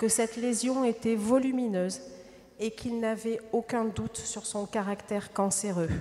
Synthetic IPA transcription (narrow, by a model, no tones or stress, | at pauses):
kəsɛt̪lezjɔ̃et̪ɛvɔlyminøːz | ekʰilnavɛokʲɛ̃d̪ut̪syʁsɔ̃kaʁakt̪ɛʁkɑ̃seʁø